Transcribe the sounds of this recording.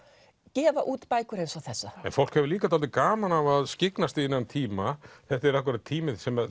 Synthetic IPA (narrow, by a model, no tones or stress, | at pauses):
cɛːvaʔuːt̪pajkʏɾe̥sawθɛsːaɛ̰nfowl̥khɛvɪliːkat̪ʰalt̪ɪkaːmanavaðscɪknast̪ɪɪnːant̪ʰiːmaθɛht̪aɛɾakvʏɾat̪ʰiːmɪðsɛma